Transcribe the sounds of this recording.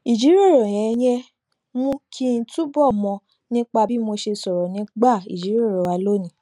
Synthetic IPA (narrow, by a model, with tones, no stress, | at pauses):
i˨d͡ʒi˨˦ɾi˦o˦˨ɾo˨j̃ɛ̃˨˧˦j̃ɛ̃˧ | mũ˦kʰi˦˧n̩˧˦tu˦bɔ˦˨mɔ̃˧ | nĩ˦k͡pa˧bi˦mo˧ʃe˧sɔ˨ɾɔ˨nĩ˨˦ɡ͡ba˦˨ḭ˨d͡ʒi˨˦ɾo˦˨ɾɔ˨wa˧lo˦˨nĩ˨˦